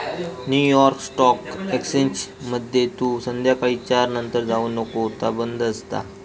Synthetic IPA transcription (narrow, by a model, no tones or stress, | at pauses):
njujɔɾksʈɔkɛksent͡ɕməd̪ʱjet̪uːsənd̪ʱjakait͡ɕaɾnənt̪əɾd͡zauːnəkot̪abənd̪əst̪a̰